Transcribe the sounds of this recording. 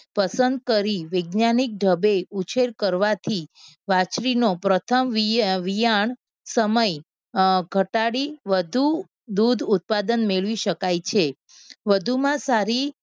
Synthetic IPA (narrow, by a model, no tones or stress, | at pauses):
pəsənd̪̚kəɾiʋəɡnanik̚ɖʱəbeut͡ʃʰeɾkəɾʋat̪ʰi | ʋat͡ʃɾinopɾət̪ʰəmʋʋijaɳ | səməj | ɡʱəʈaɽiʋəd̪ʱu | d̪ud̪ʱut̪̚pad̪ənmeɭʋiʃəkajt͡ʃʰe | ʋəd̪ʱumãsaɾi